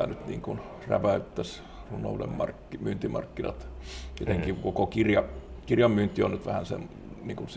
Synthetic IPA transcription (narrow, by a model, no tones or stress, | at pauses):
æ̰nyt̪nḭːŋkun | ræ̰ʋæyt̪ːæs | runːˑo̰ulḛmmɑ̰rkːimyːnt̪imɑ̰rkːinɑ̰t̪et̪eŋkikokokirjɑ | kirjɑmmyːnt̪ːˑionnyt̪ʋæhænsḛm | niːŋkuns